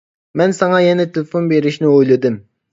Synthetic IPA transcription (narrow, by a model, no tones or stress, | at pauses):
mɛnsɑŋɑjɛnɛt̪ʰelɪfonbeɾɪʃnɪojlˠɨd̪ɪm